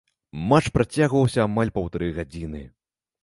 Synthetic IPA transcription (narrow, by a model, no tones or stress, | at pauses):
mat͡ʂpɾat͡sʲaɣvɐwsʲɐːmalʲpɐwt̪aɾɨɣad͡zʲinɨ